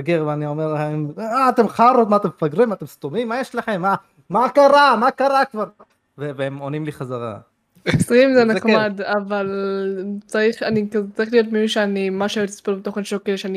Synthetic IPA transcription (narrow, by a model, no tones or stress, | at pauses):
ɡiʁveanio̞meʁlaχemaːt̪emχaʁot̪̚mat̪emfaɡʁimat̪emst̪omimːajeʃlaχemːa | makaʁamakaʁakvaʁ | veveemonimliχazaʁa̰ | sʁimzenakmad̪aval | t͡saʁiχanikazt͡saʁiχlijo̞tmimiʃeanimaʃaot̪i̥spelbet̪o̞χenʃokelʃeani